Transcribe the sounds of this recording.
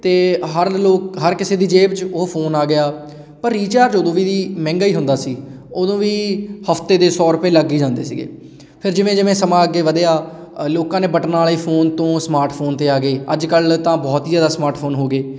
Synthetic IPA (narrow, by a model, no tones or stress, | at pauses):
t̪eːɦəɾloːk̚ɦəɾkɪseːd̪iːd͡ʒeːbd͡ʒʊpʰoːnaːɡɪaː | pəɾːiːt͡ʃaːɾd͡ʒoːd̪õːʋiːd̪iːmɛ̃ːŋɡaːiːɦʊnd̪aːsiːoːd̪õːʋiːhəft̪eːd̪eːsɔːɾʊpeːləɡiːd͡ʒãːnd̪ḛːsḭːɡḛː | pʰɪɾd͡ʒɪʋẽːd͡ʒɪʋẽːsəmãːəɡːeːʋəd̪eːaː | loːkãːneːbəʈnaːliːpʰoːnt̪õːsmaːɾʈpʰoːnt̪eːaːɡeːəd͡ʒkəlt̪ãːbɔːt̪iːzjaːd̪aːsmaːɾʈpʰoːnɦoːɡeː